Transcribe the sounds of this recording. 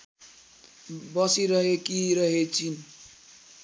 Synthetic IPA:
bʌsiɾʌɦekiɾʌɦet͡ʃin

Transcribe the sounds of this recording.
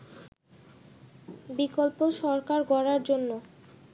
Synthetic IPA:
bikolpoʃɔɾkaɾɡɔɾaɾd͡ʑonːo

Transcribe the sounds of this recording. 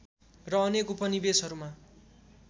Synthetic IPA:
rʌːnekupʌnibesʌɾuma

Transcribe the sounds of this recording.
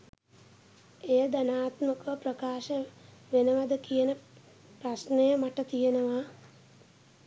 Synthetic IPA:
ejəd̪anaːt̪məkəʋəprəkaːʃəʋenəʋad̪əkijənə | prasnejəmaʈət̪ijenəʋa

